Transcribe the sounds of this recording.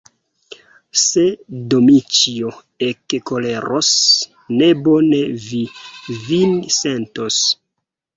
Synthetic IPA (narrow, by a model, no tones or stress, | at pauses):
sedomit͡ʃio | ekkole̞ɾos | nebo̞nevivinse̞ntos